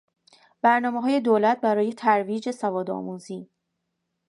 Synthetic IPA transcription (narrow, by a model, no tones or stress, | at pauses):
b̥æɾnɒːmeɦɒːje̞d̪oːlæt̪̚ʰbæɾɒːje̞t̪ʰæɾviːd͡ʒe̞sævɒːd̪ɒ̰ːmuːziː